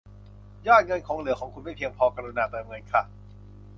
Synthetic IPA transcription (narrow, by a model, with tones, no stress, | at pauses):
jaː˥˩t̪̚ŋɤ˧nkʰɔː˩˦ŋlɯ˨˩˦əkʰɔː˩˦kʰu˧nma˥˩jpʰi˧əŋpʰɔː˧ka˧ɾu˧naː˧t̪ɛː˧˩mŋɤ˧nkʰa˦˥˩